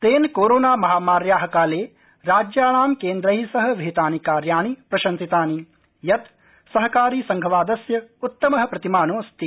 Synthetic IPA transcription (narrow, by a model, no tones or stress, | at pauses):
t̪eːnkoːɾoːnaːmɐɦaːmaːɾjaːɦɐkaːleː | ɾaːd͡ʒjaːɳaːmkeːnd̪ɾɐɦisɐɦɐ̆ʋʱeːt̪aːnikaːɾjaːɳipɾɐʃɐnsit̪aːni | jɐt̪ | sɐɦɐkaːɾiːsɐŋɡʱɐʋaːd̪ɐsjɐut̪ːɐmɐɦɐ̆pɾɐt̪imaːnoːst̪i